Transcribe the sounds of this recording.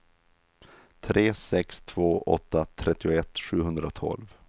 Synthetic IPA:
t̪ʰɾʔeːsɛkst̪ʰv̥oːʔɔ̰t̪ːat̪ʰɾɛt̪ːɪʊɛt̪ːɧʉ̟ːhɵnd̪ɾat̪ʰɔ̰lv

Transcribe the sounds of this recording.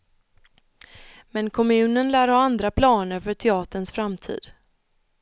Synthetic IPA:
mɛnkʰɔmʉ̟ːnənlæːɾaand̪ɾapʰlɑːnəɾfœʈʰɛɑːt̪əɳsfɾamt̪ʰḭːd̪̥

